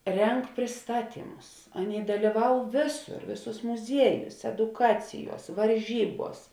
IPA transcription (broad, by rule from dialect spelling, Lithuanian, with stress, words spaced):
ˈrʲɛŋk pʲrʲɪsˈtɑːˌtʲiːmʊs ˈɑːˌnʲeːɪ dɐlʲiːˈʋɐʊ ˈʋʲeːˌsʊr ˈʋʲeːˌsuːs mʊˈzʲiɛˌjuːs ɛdʊˈkɑːt͡sʲɪˌjuɔs ʋɐrʲˈʒʲiːˌbuɔs